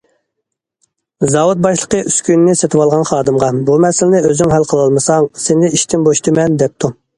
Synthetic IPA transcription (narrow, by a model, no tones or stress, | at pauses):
zɑwut̪̚bɑʃlˠəqəʔyskʲynɪnɪset̪ʰɪwɑlˠʁɑnχɑːd̪ɨmʁɑbumɛsɪlɪnɪøzyŋɦælqʰəlˠɑlˠmɨsɑŋsenɪiʃt̪ʰɪmboʃt̪ʰɨmɛnd̪ɛp̚t̪ʰu